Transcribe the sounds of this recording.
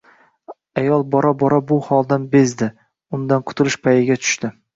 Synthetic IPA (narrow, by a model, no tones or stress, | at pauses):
ajɒlˠbɒɾabɒɾabʊhɒlˠd̪anbe̞zd̪ɪ | ʊnd̪anqʰʊ̥t̪ʰʊlɪʃpʰajɪɡʲat̪ʰʊ̥ʃt̪ɪ